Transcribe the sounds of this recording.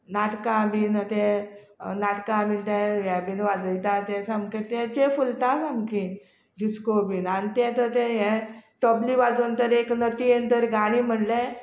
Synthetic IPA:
naʈkaminət̪ɛ̃ | naʈkãmint̪ɛ̃ʋɛbiːnʋad͡zəjt̪at̪ɛ̃samkẽt̪ɛ̃t͡ɕefult̪asamki | diskobinanit̪ɛ̃t̪ət̪ɛ̃ɦɛ̃ʈɔbliːʋad͡zunt̪əɾeknəʈijent̪əɾɡaɽ̃iːm̤əɳlɛ̃

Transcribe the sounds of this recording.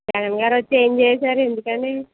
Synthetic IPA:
d͡ʒɛɡɐnɡaːɾot͡ʃːend͡ʒeːsaːɾe̞nd̪ukɐneː

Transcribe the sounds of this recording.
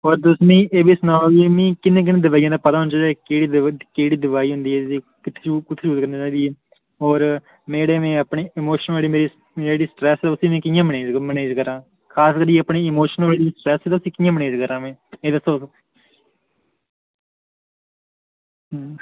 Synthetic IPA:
ɔːɾd̪ʊsnĩːeːbiːsnaːimẽːkɪnẽːk̬ɪnẽːd̪əʋaːijãːd̪aːpət̪aːɦʊnt͡ʃaːɛːeːɽiːkeːɽiːd̪əʋaːiːɦʊ̃nd̪iːɦɛːsiː | kɪt̪ʰːt͡ʃuːkʊt̪ʰːt͡ʃuːt̪kəɾnaːt͡ʃãːd̪iːɛː | ɔːɾ | meːɽeːmẽːəpɳeːɪmoːʃənʋaːɽiːmeːɾiː | d͡ʒeːɽiːsʈɾɛːsɛːʊsĩːmɛ̃ːkɪjãːməɳeːd͡ʒməneːd͡ʒkəɾãː | kʰaːskəɾd͡ʒiːəpɳiːɪmoːʃənʋaliiːsʈɾɛːsɛːd̪ʊsĩːkɪjãːməneːd͡ʒkəɾãːmɛ̃ːeːd̪əsoː

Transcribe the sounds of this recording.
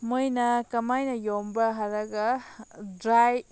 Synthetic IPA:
mojnɐkɐmajnɐjɔmbɐɦaɾɐɡɐdɾaj

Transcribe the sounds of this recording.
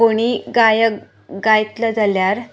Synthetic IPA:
oɽ̃iɡajə | ɡajt̪ləd͡zaljaɾ

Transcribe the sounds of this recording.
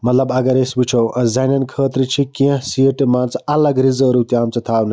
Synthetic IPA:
mɐt̪lɐbɐɡɐɾesbut͡ʃʰowɐ̃zɐjnɐnkʰəːt̪ɾit͡ʃʰikĩɦsiəʈmaːnt͡sɐlɐɡɾizəːɾut̪iaːmt͡sɐt̪ʰaːwnɐ

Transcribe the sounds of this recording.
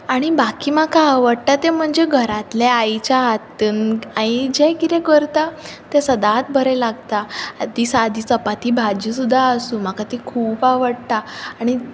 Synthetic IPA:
aɽ̃ibakiːmakaːʋəɽt̪at̪em̤əɳd͡zeɡʱəɾat̪leajt͡ɕjaɦat̪ːənajd͡ʑɛkit̪ẽkəɾt̪at̪esəd̪at̪̚bʱəɾɛlaɡt̪ad̪isad̪ʱiːt͡səpat̪iːbʱad͡ʑis̬ud̪ʱːaəsũm̤akat̪ikʰuːpaʋəɽt̪aːɽ̃i

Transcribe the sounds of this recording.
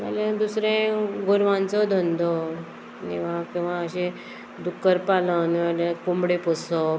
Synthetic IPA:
ma̰lẽd̪usɾẽɡuɾʋãnt͡sɔd̪ʱənd̪ʱɔ | nḭ̃ʋ̤ãkĩw̃ʋaəɕe | d̪ukːəɾpalənialẽkumbɽepɔsɔ

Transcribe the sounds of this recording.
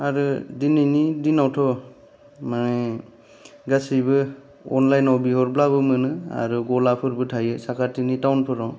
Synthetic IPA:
aɾudinɯjnidinawtʰɔ | manɯj | ɡasibɯ | ɔ̰nlajnawbihɔɾblaβɯmɯnɯa̰ɾuɡɔlapʰɯɾbɯtʰajɯsakʰatʰinitawnpʰɯɾaw

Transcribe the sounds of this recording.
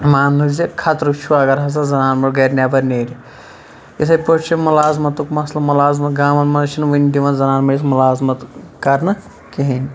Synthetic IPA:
maːnːuzekʰaːt̪ɾut͡ʃʰuaːɡɐɾɦɐs̬ɐzɐnaːnmɐɽɡɐɾnʲebɐɾneːɾʲ | jisʰɐjpoʈt͡ʃʰimulaːzmɐt̪ukmɐslɐmulaːzmɐt̪ɡaːmɐnmɐnɐt͡ʃʰinʋindiʋɐnzɐnaːnmɐismulaːzmɐt̪kɐɾnɐ | kiɦinʲ

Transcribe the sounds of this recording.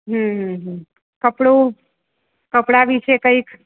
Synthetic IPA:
ɦə̃ə̃ɦə̃ | kəpɽu | kəpɽaʋit͡ʃʰekəik

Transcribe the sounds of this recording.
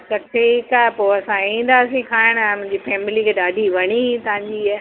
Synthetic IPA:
kɐʈʰekapoːɐsãĩːn̆d̪aːsĩkʰaːɪɽ̃mʊ̃ɦɪ̃ɲd͡ʑifɛːmɪlikʰeːɗaːɖʱiʋɐɽ̃it̪ɐʋ̤ãɲd͡ʑiː

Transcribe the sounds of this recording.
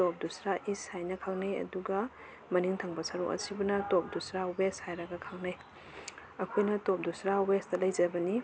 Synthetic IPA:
top̚dusɾaʔishajnɐkʰaŋnajɐ̰duɡɐ | mɐniŋtʰaŋbɐsaɾṵkʔɐ̰sibunɐtop̚dusɾaweshajɾaɡɐkʰaŋnaj | ɐkʰojnɐtop̚dusɾawestɐlɐjd͡ʒɐbɐni

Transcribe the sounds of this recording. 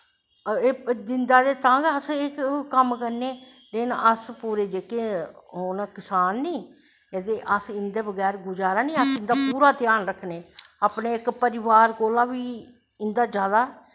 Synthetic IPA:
eːd̪ɪnd̪aːd̪eːt̪ãːɡəsekkəmkəɾneː | leːnəspuːɾeːd͡ʒeːkeːɦoːnakɪsaːnːiː | ed̪eːʔəsɪnd̪eːbəɡɛːɾɡʊd͡ʒaːɾaːnĩːəsɪ̃nd̪aːpuːɾaːt̪ɪjaːnɾəkʰneː | aːpneːɪkpəɾɪʋaːɾkoːlaːʋiː | ɪnd̪aːd͡ʒjaːd̪aː

